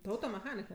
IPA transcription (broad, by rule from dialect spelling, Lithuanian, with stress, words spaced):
tʊ ɐʊtoːmʲɛˈxɑːnʲɪkɐ